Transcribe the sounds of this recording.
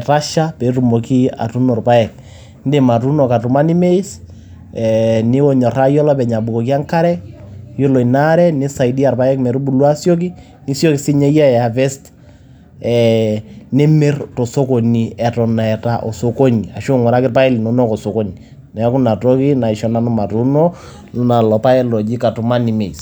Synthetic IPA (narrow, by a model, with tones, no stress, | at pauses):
ta˦ʃa˦pɛ˨tu˨mo˨ki˦a̰˨tu˦nɔ˨rpa˦ɛ˨k̚ | nde˨ma˨tu˦no˨ka˨tu˨ma˦ni˦me˦i˦s | ɛni˦o˨ɲɔ˨ra˦jɔ˦lɔ˦pɛ˨ɲa˨bu˨kɔ˨k̬i˦a˦ŋka˦ɾɛ˦jo˦lɔ˨i˨na˦ɾɛ˦ni˦sa˨idi˦a˨rpa˦ɛ˦kmɛ˨ɾu˦bu˨lwa˦sjo˦k̬i˦ | ni˦sjo˦kisi˦ɲe˦ja˦˨a˨vɛ˦st | ɛ | ne˦me˦rto˨so˦ko˨ni˨ɛ˨tɔ˨na˨ɛ˨taʔo̰˨so˨ko˦ɲi˨a˨ʃo˦ŋɔ˨ɾa˦kɪrpa˦i˦li˨no˨no˦ko˨so˨ko˦ɲi | nɛ˨˦ku˦na˨to˦ki˦na˨i˨ʃɔ˦na˨nu˦ma˨tu˦no˦ | nu˦na˨lɔ˨pa˦ɛ˦lɔ˨d͡ʒi˦ka˨tu˨ma˦ni˨me˨i˨s